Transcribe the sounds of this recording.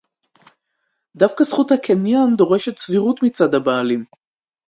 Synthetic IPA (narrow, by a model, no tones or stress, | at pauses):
d̪afkasχuthakʰenjand̪o̞ʁe̞ʃet̪t͡sviʁut̪mit͡sad̪habaːlim